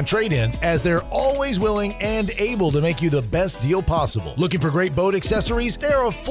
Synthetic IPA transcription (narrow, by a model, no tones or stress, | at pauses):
ntʰɹ̥eɪɾɪ̃nzɨzðə˞ɔlˠwizwɪlˠɪ̃ŋɨ̃neɪbl̩ˠtɨmeɪkjɨðəbɛsd̥ilˠpʰɑsəbl̩ˠlʊkɪ̃ŋfə˞ɡɹeɪt̚b̥oʊɾɨksɛsə˞izðə˞əf